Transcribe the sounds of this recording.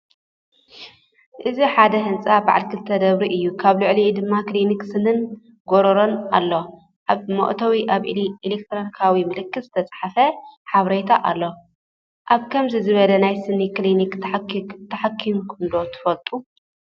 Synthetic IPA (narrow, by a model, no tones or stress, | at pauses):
ʔɨziħad̪ɐɦɨnt͡sʼaba̰ʕa̰lkʰɨlt̪ʰɐd̪ɐβɾiʔɨjːukʰaβlʊʕlid̪ɨmːakliniksɨnɨn | ɡoɾɐɾo̞na̰lːo̞ | ʔaβmo̰ʔt̪ʰɐwiʔaβilek̚t̪ʰɾonikʰawimɨlɨkːɨz̥ɨ̥t̪ʰɐt͡sʼħafɐħaβɾejt̪ʰaʔa̰lːo | ʔaβkʰɐmzizɨβɐlɐnajsɨniklinikt̪ʰħt̪ʰːɐħakʰːinkʰɨnd̪o̞t̪ʰɨ̥fɐlt̪ʼu